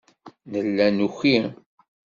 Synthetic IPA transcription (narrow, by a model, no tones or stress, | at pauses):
nəlːænuçi